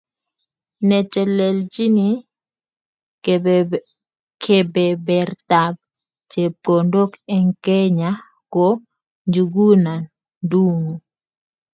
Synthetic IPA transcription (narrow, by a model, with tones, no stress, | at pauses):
nɛ˨t͡ʃɛ˨lɛ˨ld͡ʒi˦ni˦ | kʰe˨bɛ˨bɛ˨rta˨b̚ | t͡ʃe˨po˨ndo˦kɛ˦ŋkɛ˦ɲa˨ | ko˦ | ɲd͡ʒu˨ɡu˦na˨n | ndu˦ŋu˨